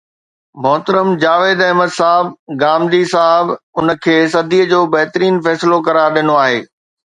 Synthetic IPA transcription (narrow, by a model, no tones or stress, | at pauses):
mɔɦt̪əɾəmd͡ʑaːʋeːd̪ɐɦməd̪saːɦɪb̚ɡaːmd̪isaɦɪbʊnə̆kʰeːs̬ɐd̪ʱiːəd͡ʑoːbɐɦɪt̪ɾiːnfɛːsɪlokɐɾaːɾɗɪnoaːɦeː